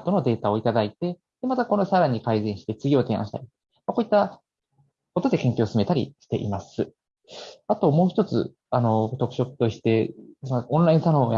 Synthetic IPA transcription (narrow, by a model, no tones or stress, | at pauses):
t̪o̞no̞d̪e̞ːt̪ao̞it̪ad̪ait̪e̞ | d̪̥e̞mat̪ako̞no̞saɾaɲ̟ikaizẽ̞ɰ̃ɕi̥t̪et͡sɨɡʲio̞ːt̪e̞ːã̰ɕi̥t̪a̰ɾʲi | mako̞ːit̪ːa | ko̞t̪o̞d̪e̞kẽ̞ŋkʲoːsɨme̞t̪aɾʲḭɕi̥t̪e̞̰ʔḭmasɨ | at̪o̞mo̞ːçi̥t̪o̞t͡sɨ̰ | ano̞t̪o̞kɯ̟ɕo̞kɯ̟̥t̪oɕi̥t̪e̞sõñɾaĩsanoːja